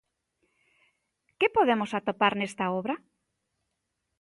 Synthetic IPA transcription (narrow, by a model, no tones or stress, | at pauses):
kɪpoðemosat̪opaɾnest̪aoβɾa